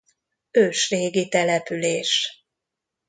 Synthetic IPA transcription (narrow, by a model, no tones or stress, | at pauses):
øːʃreːɡit̪ɛlɛpyleːʃ